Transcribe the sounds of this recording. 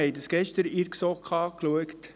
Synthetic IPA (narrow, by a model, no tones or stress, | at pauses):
ɛɪdəsɡ̥ɛʃtəɾɪɾksokʰχɑːkluəkt